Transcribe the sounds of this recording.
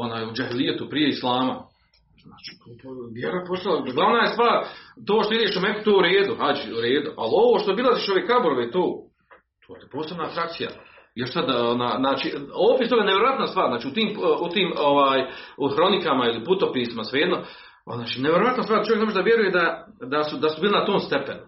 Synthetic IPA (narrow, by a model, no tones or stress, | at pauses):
o̞naːjud͡ʒahilijat̪upɾijeislˠaːma | znaːt͡ʃi̥pʋjeɾopost̪alaɡlˠaʋnajest̪vaːɾt̪oːʃt̪oid̪eːʃumeku̥t̪oːuɾeːd̪uhad͡ʒiuɾeːd̪uʔa̰lo̞ʋoːʃt̪o̞bilˠaziːʃo̞ʋekabuɾoʋet̪oː | t̪ʰoːt̪po̞ːsebnaːt̪ɾak̚t̪sija̰ | jo̞ʃsad̪onaːjznaːt͡ʃioopist̪o̞ɡaeneʋjeɾoat̪nast̪ʋaːɾznaːt͡ʃiut̪iːmut̪iːmoʋaːjxɾo̞nikamailiput̪opiːsimasʋeed̪no | naːt͡ʃinejeɾoʋat̪nosaːɾd̪at͡ʃojeknemoʒed̪aʋjeɾujed̪a | d̪asud̪asubiːlˠinat̪oːmst̪e̞penu